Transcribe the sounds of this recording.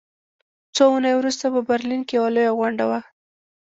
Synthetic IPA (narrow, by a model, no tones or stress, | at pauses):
t͡sounəjwɾust̪apəbaɾlinkewalojaɣwaɳɖawa